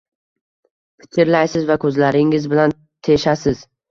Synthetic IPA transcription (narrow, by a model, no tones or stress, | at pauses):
pʰɪ̥kʲʰɪɾlajsɪzvakʰɵzlaɾɪŋɪzbɪlan | t̪ʰe̞ʃasɪz